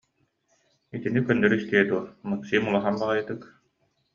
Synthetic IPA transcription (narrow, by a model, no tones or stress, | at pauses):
it̪inikœnːœɾist̪iɛd̪uɔɾmɯksiːmulˠaɦanbaʁajɯt̪ɯk